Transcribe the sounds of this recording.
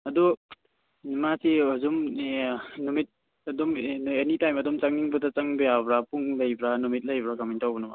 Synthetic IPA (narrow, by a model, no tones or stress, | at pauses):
ɐdu | masiɐzum | numit̚ | ɐdɔmenitajmɐdɔmt͡ʃaŋniŋbɐtat͡ʃɐŋbejabɾapuŋlɐjbɾanumit̚lɐjbɾakamintawbɐnɐma̰